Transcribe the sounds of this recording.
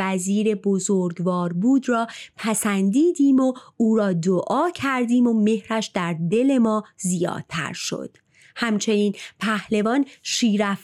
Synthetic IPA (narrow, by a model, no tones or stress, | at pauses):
æziːɾe̞bozoɾɡvɒːɾbuːd̪rɒːpʰæsænd̪iːd̪iːmo̞uːɾɒːd̪oʔɒːcʰæɾd̪iːmo̞me̞hɾæʃd̪æɾd̪e̞le̞mɒːzijɒ̰ːd̪̥̚t̪ʰæ̰ɾʃo̞̰d̪̥ | hæmt͡ʃʰe̞niːnpʰæhle̞vɒːnʃiːɾæf